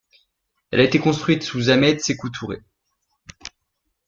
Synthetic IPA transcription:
ɛlaet̪ekɔ̃st̪χɥit̪suzamɛt̪sekut̪ʰuʁḛ

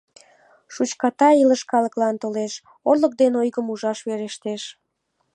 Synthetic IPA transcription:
ʃut͡ɕkɑt̪ɑiləʃkɑləklɑnt̪oleʃ | orlək̚d̪enojɣəmuʒɑʃβeɾeʃt̪eʃ

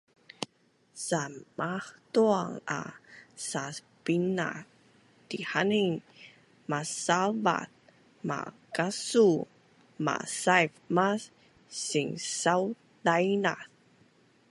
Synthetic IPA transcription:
sammaht̪uaŋa̰sas | pina̰ | t̪ihaniŋ | masalva̰t̪̚ | ma̰ | kasu | ma̰sajfma | siŋsaw | dajnaθ

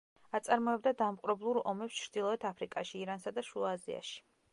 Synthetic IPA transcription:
at̪sʼaɾmɔɛb̚d̪ad̪amqʼɾɛblˠuɾɔmɛpst͡ʃʰɾd̪̥ilˠɔɛt̪ʰapʰɾikʼaʃiːɾansad̪aʃuazḭa̰ʃi̥

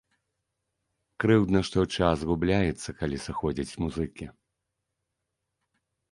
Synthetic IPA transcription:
kɾɨwd̪nɐʂt̪ɔt͡ʂazɣublʲajɛt̪sːɐkalʲisɨxɔd͡zʲit͡sʲmuzɨkʲi

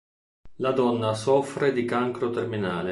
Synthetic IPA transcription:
lad̪ɔnːasɔfɾed̪ikaŋkɾot̪erminaːle

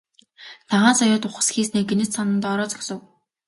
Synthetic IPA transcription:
t͡s̪ʰaʁaːnsɔjʊːt̪ʊχə̆sxiːsneːɡenɘ̆t͡ssanə̆nt̪ɔɾɔːt͡sɔ̥ksɞ̆w

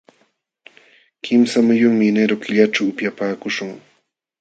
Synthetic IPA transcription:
kʰɪmsamʊjʊŋmɪneɾokɪʎaʈ͡ʂawːpjapaːkʊʃʊŋ

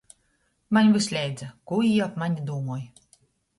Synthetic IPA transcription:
maɲʲvɨsʲlʲɛjd̪zakuijapmaɲʲid̪uːmuɔj

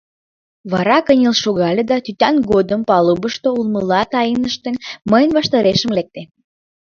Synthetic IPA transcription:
βɑɾɑkənʲəlʃoɣɑlʲed̪ɑt̪yt̪ɑnɡod̪əmpɑlubəʃt̪oulməlɑt̪ɑjinəʃt̪enməjənβɑʃt̪əɾeʃəmlek̚t̪e

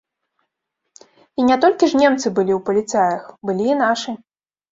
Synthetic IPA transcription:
inʲat̪ɔlʲkʲiʐnʲemt̪sɨbɨlʲiwpɐlʲit̪sajɐxbɨlʲiːnat͡ʂɨ

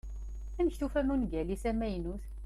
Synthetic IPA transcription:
æməçθufæmunɡælisæmæjnuθ

